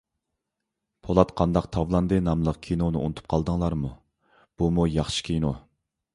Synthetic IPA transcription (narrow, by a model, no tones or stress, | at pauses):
pʰolˠɑt̪qʰɑnd̪ɑqt̪ʰɑvlˠɑnd̪ɨnɑmlˠəq̚kʲʰinonɨṵnɨt̪ʰu̥p̚qʰɑlˠd̪ɨŋlˠɑɾmu | b̥umujɑχʃi̥kʲʰejno